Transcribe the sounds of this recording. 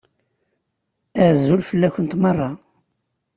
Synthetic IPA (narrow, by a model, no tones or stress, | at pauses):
æʕzːulfəlːæçənt̪mɑrˤːɑ